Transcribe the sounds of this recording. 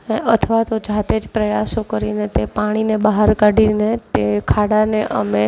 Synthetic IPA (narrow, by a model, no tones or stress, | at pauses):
eət̪ʰəʋat̪od͡ʒat̪ed͡ʒpɾəjasokəɾinet̪epaɽ̃inebaɦaɾkaɽinet̪ekʰaɽaneʔəme